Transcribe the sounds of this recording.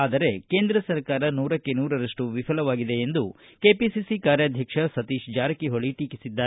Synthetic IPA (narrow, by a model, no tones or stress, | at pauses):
aːd̪ɐɾe̞ke̞ːnd̪ɾɐsɐɾkaːɾɐnuːɾɐkːe̞nuːɾɐɾɐʂʈuʋipʰɐlɐʋaːɡid̪e̞ːnd̪u | ke̞ːpisisikaːɾjɐːd̪ʱjɐkʂɐsɐt̪iːʃd͡ʒaːɾɐkiɦoɭiʈiːkisid̪ːaːɾe